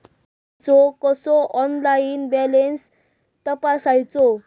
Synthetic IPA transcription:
t͡sɔkɔsɔʔɔnlainbɛlens | t̪əpasajt͡sɔ

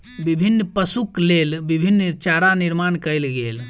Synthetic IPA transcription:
bibʱinːpəsuklelbibʱinːt͡ʃaɾaniɾmankəjlɡel

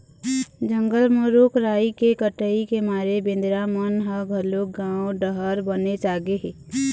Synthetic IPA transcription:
d͡ʒəŋɡəlmoɾukɾaːikekəʈəikemaːɾebɪ̃nd̪ɾamənɦaɡʱəɾloɡãːoɖəɦəɾbənet͡ʃaːɡeɦeː

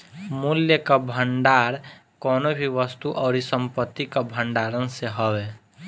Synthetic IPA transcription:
mʊljəkabʱəɳɖaːɾ | kɔːnobʱiʋəst̪uʔɔːɾisə̃mpət̪ːikabʱəɳɖaːɾənseɦəʋeː

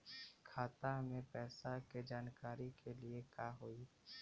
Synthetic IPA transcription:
kʰaːt̪amẽpɛːsaked͡ʒaːnkaːɾikʰeliekaɦoi

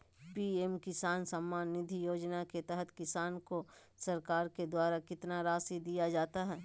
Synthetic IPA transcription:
piːemkɪsaːnsɐmːaːnːɪd̪ʱijoːd͡ʒnaket̪ɛɦət̪kɪsaːnko | sɐɾkaːɾked̪waːɾakɪt̪naɾaːsid̪ijad͡ʒaːt̪aɦɛː

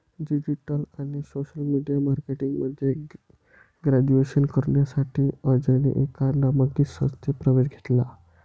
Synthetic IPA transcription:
ɖid͡ʑiʈəlaɽ̃isoɕəlmiɖijamaɾkeʈiŋɡməd̪ʱːje | ɡɾæd͡ʑueɕənkəɾɳjasaʈʰiːəd͡ʑənḭʔekanaməɡit̪sə̰̃st̪ʰepɾəʋeɕɡʱet̪la

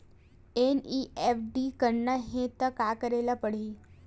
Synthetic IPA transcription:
eniefɖiːkəɾɳəɦẽt̪əkakəɾelapəɽ̤iː

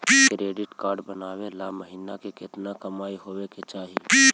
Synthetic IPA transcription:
kɾeːɖɪʈkaːɾɖbɐnaːʋelamɐɦiːnakekɪt̪nakɐmaːiɦoːʋeket͡ʃaːɦi

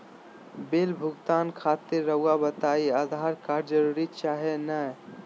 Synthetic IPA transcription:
belbʱʊɡt̪aːnkʰat̪ɪɾːəʊabət̪aiad̪ʱaɾkaɾd͡ʒəɾuɾit͡ʃaɦenə

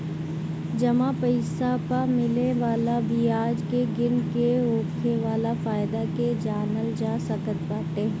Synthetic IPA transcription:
d͡ʒɐmãpəɪsapaɾmɪleʋaːlabʱiaːd͡ʒkeɡɪnkeoːkʰeʋaːlafaːɪd̪aked͡ʒaːnəld͡ʒaːsɐkət̪baːt̪e

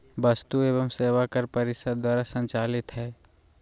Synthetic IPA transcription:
bɐst̪ueːʋəmseːʋakəɾpɐɾɪʃəd̪̚d̪waːɾasə̃ɲt͡ʃaːlɪt̪ɦɛː

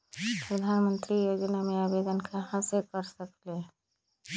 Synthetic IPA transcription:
pɾəd̪ʱaːnmə̃nt̪ɾijoːd͡ʒnamẽaːbed̪ənkaɦãsekəɾsəkle

